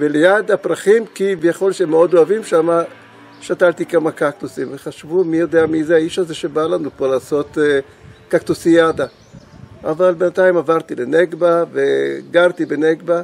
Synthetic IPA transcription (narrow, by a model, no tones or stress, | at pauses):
velejad̪hapʁaχimkivjaχo̞lʃeemeo̞d̪o̞avimʃama | ʃat̪alt̪ikamakakt̪usimveχaʃvumijo̞d̪eamizeaiʃaze̞ʃe̞balanukolaːso̞t̪ | kakt̪usijad̪a | avalbenat̪aimavaʁt̪ileneɡbaveɡaʁt̪ibeneɡba